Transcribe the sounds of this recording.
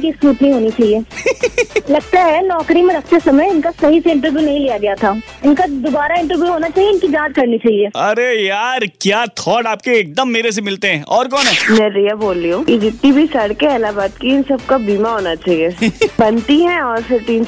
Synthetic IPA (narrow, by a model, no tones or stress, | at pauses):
kiskuːʈnɐɦĩɦoːnit͡ʃaːɦieː | lɐɡt̪aɦɛnɔːkɾimẽɾɐkʰt̪esɐməjɪnkasɐɦiseɪ̃ɳʈəɾʋjunɐɦĩlijaɡɐjat̪ʰaː | ɪnkad̪obaːɾaɪ̃ɳʈəɾʋjuɦoːnat͡ʃaːɦieɪnkid͡ʒãːd͡ʒ̪kɐɾnit͡ʃaːɦieːɐɾejaːɾkjaːt̪ʰɔːɖaːp̚keeːk̚d̪əmːeːɾes̬emɪlt̪eɦɛ̃ːʔɔːɾkɔːnɦɛːmɛ̃ːɾijaboːlːiɦũked͡ʒɪt̪nibʱisɐɽkeɛːlabaːt̪kiɪnsɐb̚kabiːmaɦoːnat͡ʃaːɦieːbɐnt̪iɦɛ̃ɔːɾsɪʈiːn